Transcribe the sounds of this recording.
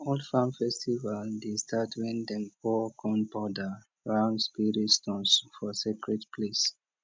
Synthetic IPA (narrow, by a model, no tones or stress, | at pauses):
ɔldfãmfɛstivaldestʰatʰwĩndɛ̃nkɔkʰɔ̃nbɔda | ɹãʊ̃ndspiɹitstɔ̃nsfɔsikɹɛdpʰles